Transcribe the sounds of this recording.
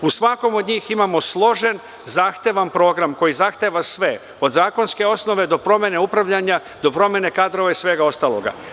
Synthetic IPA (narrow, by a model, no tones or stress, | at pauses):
usʋako̞mo̞d̪ɲiːximaːmo̞slˠo̞ʒen | zaːxt̪eʋanpɾo̞ːɡɾamko̞jizaxt̪e̞ːʋasʋe̞ | od̪zaːko̞nske̞o̞sno̞ʋe̞d̪o̞pɾo̞mjeneupɾaʋʎaɲa | d̪o̞pɾo̞mje̞ne̞kaːd̪ɾoʋaisʋe̞ːɡao̞st̪aːlˠo̞̰ɡa̰